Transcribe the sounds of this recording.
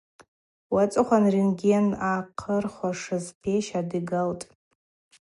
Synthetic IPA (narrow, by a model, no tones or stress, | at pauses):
wat͡sʼɨχʷanrinɡʲenaqʰərχʷaʂɨzpʰeʃadiɡaltʼ